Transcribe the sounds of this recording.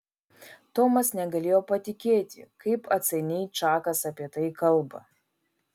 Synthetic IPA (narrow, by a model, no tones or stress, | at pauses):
t̪oːmɐsnʲɛɡɐlʲeːjoːpɐt̪ʲɪkʲeːt̪ʲɪ̰kɐɪpɐt̪sʲɐɪnʲɛɪt̪t͡ʃɑːkɐsɐpʲiɛt̪ɐɪkɐlˠˑbɐ̰